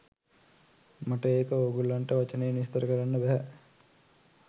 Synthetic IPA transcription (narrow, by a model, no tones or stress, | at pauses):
maʈəeːkəoːɡulːaɳʈəʋat͡ʃənəjənist̪ɐɾəkəɾanːəbæɦæ